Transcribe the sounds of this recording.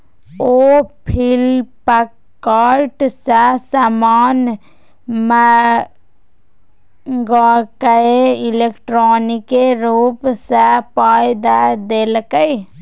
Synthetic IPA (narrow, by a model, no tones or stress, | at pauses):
opʰilpə | kkaɾʈsasamaːn | mə | ɡakəeɪlekʈɾɔːnikeɾuːpsapaːjd̪ad̪elkəj